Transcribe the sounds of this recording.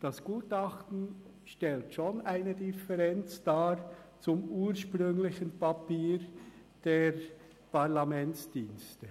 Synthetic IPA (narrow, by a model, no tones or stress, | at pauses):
d̥ɑsɡ̥uːtɑχtn̩ | ʃtɛltʃonʔaɪnədɪfɛʁɛnt͡sd̥aːt͡sʊmuːɾʃpʁʏŋlɪçənpapiːɾ | d̥eːɾ | pʰaʁlamɛnt͡sd̥iːnstə